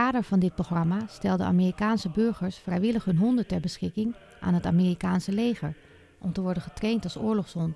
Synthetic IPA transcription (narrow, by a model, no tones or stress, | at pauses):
aːdəɹv̥ɑndɪt̚proχrɑmastɛlˠdə̰a̰ːmiːrikaːnsəbɵɹχəɹsfrɛjʋɪləχɦɵnɦɔndətɛɹbəsχɪkɪŋ | ʔa̰ːnɦəta̰ːmiːrikaːnsəlejχə̰ɹ | ʔɔmtəʋɔɹdənχətrejntɑlˠsʊːɹlɔχsɔn